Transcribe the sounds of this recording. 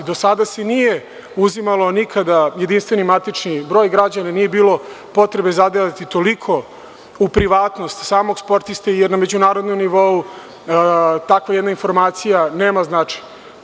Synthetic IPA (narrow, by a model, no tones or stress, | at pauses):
d̪o̞sad̪ase̞nije | uzimalˠo̞nikʰad̪aje̞d̪inst̪ʋe̞nimat̪it͡ʃnibɾo̞ːjɡɾad͡ʑananije̞biːlo̞ | po̞t̪ɾe̞be̞zad̪ejat̪it̪o̞likʰo̞ | upɾiʋaːt̪no̞st̪saːmoɡspo̞ɾt̪ist̪ejeɾnamed͡ʑunaːɾod̪nomniʋo̞u | t̪akʋajed̪nainfo̞ɾmaːt̪sijaneːmaznat͡ʃe̥ɲa